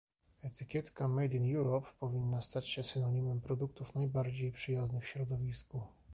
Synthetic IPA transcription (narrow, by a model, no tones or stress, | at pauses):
ɛt̪ɘkʲjɛt̪kamɛd̪ʲinjuɾɔpːɔvʲinːast̪at͡ɕɕɛsɘnɔɲimɛmpɾɔd̪uk̚t̪ufnajbaɾd͡ʑejpʂɘjaznɘxfɕɾɔd̪ɔvʲisku